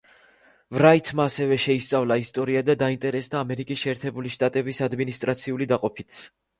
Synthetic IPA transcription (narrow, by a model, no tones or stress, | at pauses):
vɾait̪ʰmaːsɛvɛʃɛist̪sʼavlˠaist̪ʼɔɾiad̪ad̪aint̪ʼɛɾɛsd̪aːmɛɾikʼisʃɛːɾt̪ʰɛbuliʃt̪ʼat̪ʼɛbisad̪minist̪ʼɾat̪sʰiulid̪aqʼɔpʰit̪ʰ